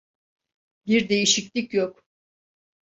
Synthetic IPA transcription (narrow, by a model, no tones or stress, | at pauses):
biɾd̪e̞jiʃiclʲicjok